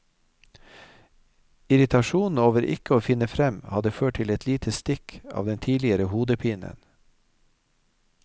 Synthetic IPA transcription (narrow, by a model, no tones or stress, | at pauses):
ɪɾɪt̪ʰɑʃuːnn̩oːʋəɾʔɪ̰kəoːfɪnəfɾɛmhɑd̪əføːʈ̚ʈʰɪlɛt̪ʰliːt̪ʰəst̪ɪkʰɑ̰ːʋd̪ɛnt̪ʰiːlɪəɾəhuːd̪əpʰiːnə̰n